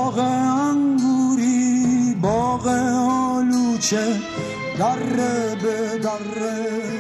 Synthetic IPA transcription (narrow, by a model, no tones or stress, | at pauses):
ɣɛaŋɡuɾibɔɣɛɔlut͡ʃe | ɡarːebeɡarɛ